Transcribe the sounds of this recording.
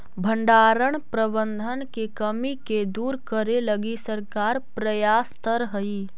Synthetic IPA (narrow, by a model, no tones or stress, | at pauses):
bʱəɳɖaːɾəɳ̃pɾəbə̃nd̪ʱənkekəmiked̪uːɾkəɾeləɡisəɾkaːɾpɾəjaːst̪əɾɦəi